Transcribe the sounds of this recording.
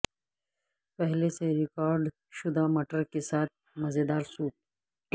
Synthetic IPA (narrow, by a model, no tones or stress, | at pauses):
pɛɦleseɾɪkaːɾɖ | ʃʊd̪amɐʈəɾkesaːt̪̚ | mɐzed̪aːɾsuːp̚